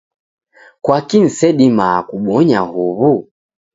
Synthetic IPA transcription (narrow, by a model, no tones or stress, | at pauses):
kwakin̩sɛɗimaːkuɓɔɲahuβu